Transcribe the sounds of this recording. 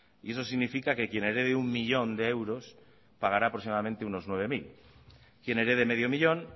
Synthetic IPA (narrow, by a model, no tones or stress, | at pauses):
ie̞s̬o̞siɣnifikake̞kje̞neɾeðeummiʎo̞nd̪eewɾo̞s | paɣaɾapɾoksimaðamẽnt̪euno̞znwe̞β̞e̞mil | kje̞neɾeð̞e̞me̞ð̞jo̞miʎo̞n